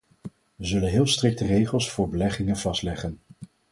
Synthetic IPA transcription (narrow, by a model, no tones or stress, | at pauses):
ʋəzɵlənɦɪːlˠstrɪk̚tərejχəlˠsfʊːɹbəlɛχɪŋənv̥ɑstlɛχən